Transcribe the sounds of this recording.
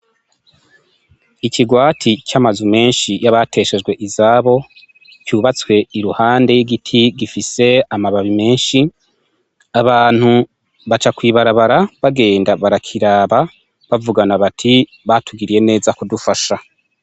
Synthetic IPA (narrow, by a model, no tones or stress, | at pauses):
iciɡwaːtʰicamazume̞ːnʃijaβatʰe̞ːʃe̞d͡ʒɡwe̞ʔizaːβo̞ | cuːβat͡swe̞iɾuhaːndejiɡitʰiɡifise̞amaβaβime̞ːnʃi | aβaːn̥hu | βat͡ʃakwiːβaɾaβaɾaβaɡe̞ːndaβaɾakʰiɾaːβa | βavuɡanaβatʰi | βatuɡiɾije̞ne̞ːzakudufaʃa